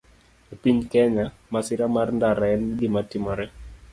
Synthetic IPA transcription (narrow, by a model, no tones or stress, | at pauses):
epiɲkɛɲamasɪɾamarndaɾaɛndimatɪmɔɾɛ